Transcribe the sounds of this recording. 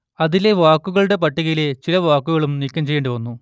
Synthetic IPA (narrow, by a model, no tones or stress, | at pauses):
ɐðile̞ʋaːkːuɣɐɭuɽe̞p̬ɐʈːiɣɐjilet͡ɕilɐʋaːkːuɣɐɭumnikʲːɐmt͡ɕe̞jeːɳɖɨʋɐnːu